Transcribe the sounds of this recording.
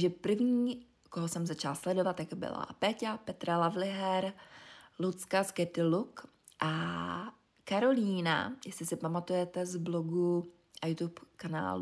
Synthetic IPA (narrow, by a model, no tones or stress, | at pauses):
ʒɛpr̩vɲiː | koɦosɛmzat͡ʃalslɛdovat̪ːakbɪ̰la̰pɛcapɛt̪ɾalavlɪɦɛɾlut͡skasɡɛt̪ɪluk | ʔa | kaɾo̞liːna̰jɛslɪsɪpamat̪ujɛt̪ɛzbloɡu | ʔajut̪upkana̰ːlu